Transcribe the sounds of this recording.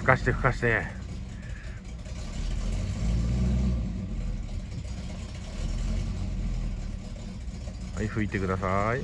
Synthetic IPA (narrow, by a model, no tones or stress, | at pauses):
ɯ̥kaɕi̥t̪ekɯ̥kaɕt̪e | haiɸɯit̪e̞kɯd̪asai